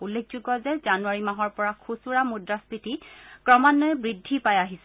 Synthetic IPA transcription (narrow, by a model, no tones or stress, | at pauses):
ulːekʰzuɡɔzɛzanuaɹimaɦɔɹpɔɹakʰusuɹamudɹaspitikɹɔmanːɔɛbɹidʱːipajaɦis